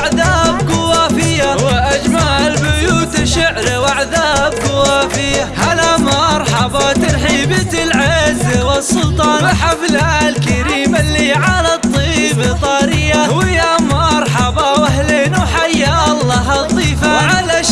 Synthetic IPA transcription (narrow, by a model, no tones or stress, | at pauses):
ʕðaːbkʊwaːfɪjːawɪʔad͡ʒmaːʕɪlbʊjuːt̪ʃʊʕɾwʔaʕðaːb̚kʊwaːfɪjːahalamɑɾˤħɑbɑt̪ɑɾħiːbat̪ɪlʕɪzwɪsːʊlt̪ˤɑːnɪħaflalkaɾiːmalːiʕalat̪ˤːiːbt̪ˤɑːɾɪjːawjamɑɾˤħɑbɑwahleːnwħajːaʔɑlˤːɑːɦɑt̪ˤiːfaʕalaʃ